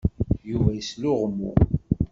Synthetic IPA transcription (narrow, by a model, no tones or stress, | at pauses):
juvæjəslʊʁmːṵ